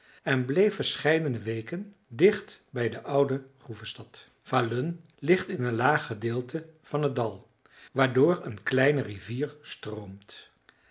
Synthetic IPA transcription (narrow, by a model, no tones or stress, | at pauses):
ɛnblejfəɹsχɛjdənəʋejkən | dɪχtbɛjdəʔʌwdəχruvəstɑt | v̥aløn | lɪχtɪnənlaːχədɪːlˠtʰəv̥ɑnɦədɑlˠ | ʋaːɹdʊːɹənklɛjnəriviːɹstrowmt